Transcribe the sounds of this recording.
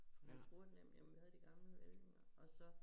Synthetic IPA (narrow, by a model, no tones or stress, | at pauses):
jæt͡sʰb̥o̝ːɐdnem̰̩jaɪð̩ˠd̥iɡ̥ɑ̈mləʋelneŋɐɒ̽sɒ̽